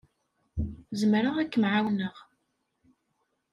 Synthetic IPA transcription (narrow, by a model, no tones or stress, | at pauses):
zəmɾəʁækːəmʕawnəʁ